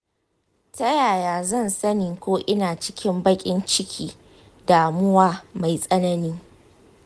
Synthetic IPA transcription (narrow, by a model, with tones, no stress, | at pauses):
tɐ˦jaː˨jaː˨zɐ˦˨nsɐ˦nɪː˨kʷoː˦ʔɪ˦naː˨t͡ʃɪ̥˦kʲɪ˦mbɐ˦kʲʼɪ˦nt͡ʃɪ˦kʲʰiː˦ | daː˨mʊ˦waː˦ma˨jsʼɐ˦nɐ˦niː˦ŋ